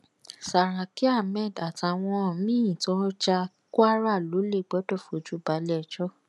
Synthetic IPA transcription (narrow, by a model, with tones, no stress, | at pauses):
sa˨ɾ̃ã˨ki˦a˦˨mɛ˦˨da˨ta˨w̃ɔ̃˧˨mĩ˦ĩ˨tɔ˦d͡ʒa˧ | ku˦a˦ɾa˦˨lo˨˦le˦˨ɡ͡bɔ˨˦dɔ˦˨fo˨d͡ʒu˦˨ba˨˦lɛ˦˨d͡ʒɔ˦